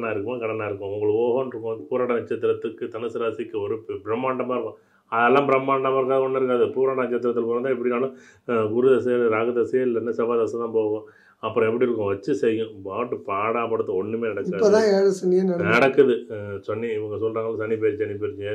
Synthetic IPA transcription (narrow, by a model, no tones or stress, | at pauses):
ɐnːaːɪɾɯkːɯmaːkɐɽɐnːaːɪɾɯkːʊ̃ʋʊŋɡɐɭpoːɣɐnɾɯkːʊ̃puːɾaːʈɐnɪt͡ʃːɐt̪ːɪɾɐt̪ːɯkːɯt̪ɐnɯsɯɾaːsɪkːɯɔɾɯbɪɾɐmːaːɳɖɐmaːɾɯkːʊ̃ | ɐðɛlːãːbɪɾɐmːaːɳɖɐmaːɾkːaːɣɐɔnːɐɪɾɯk̬ːaːðɯpuːɾaːʈɐnɪt͡ʃːɐt̪ːɪɾɐt̪ːɪlpoːɾɐnt̪ːãːɛpːɐɽɪnaːlɐ̃ | ɡʊɾɯðɐsɐɐlɾaːɣɐd̪ɐsɐjɐlːɐnːɐsɛʋaːðɐsɐt̪ãːpoːɣʊ̃ | ɐpːɯɾɔ̃ɛp̬ːɐɽiɪɾɯkːʊ̃ʋɐt͡ʃːɯsɛjːʊ̃baːʈːɯpaːɽaːpɐɽɯt̪ːɯɔɳːɯmeːnɐɽɐkːaːoːðãːeːɻɐsɐnːɪjenɐnɐɽɐkːɐðɯsɔnːiɪʋɐŋɡɐsɔlːɾaːŋɡɐɭːsɐnːip̬eːɾt͡ʃːsɐnːip̬eːɾt͡ʃːɪŋɡɐ